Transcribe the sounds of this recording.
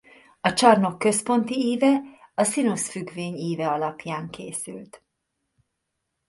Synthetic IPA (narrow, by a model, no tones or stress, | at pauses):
ɒt͡ʃɒrno̞kːø̞spo̞nt̪iiːvɛɒsinosfyɡveːɲiːvɛɒlɒpjaːŋkeːsy̰lt̪